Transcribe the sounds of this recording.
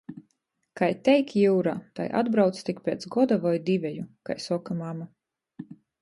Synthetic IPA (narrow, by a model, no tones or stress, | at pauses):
kajt̪ɛjkjuːɾa̰ːt̪a̰jʔa̰d̪bɾawt̪st̪ikpʲeːt̪sɡɔd̪avɔjd̪ivʲɛjuka̰jsɔkamama